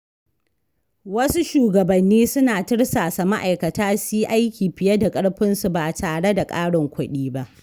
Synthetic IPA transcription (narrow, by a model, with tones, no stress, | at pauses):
wɐ˦su˦ʃuː˨ɡɐ˨bɐ˨nːiː˦sʊ˦naː˨tɪ˦ɽsaː˨sa˨ma˦ʔa˨jkɐ˨taː˦siː˦ʔa˦jkʲiː˨ɸɪ˨jɐ˦da˨kʼɐ˦ɽɸɪ˦nsu˨baː˨taː˨ɽe˦da˨kʼaː˦ɽɪ˨ŋkʷʊ˦ɗiː˦ba˦ʔ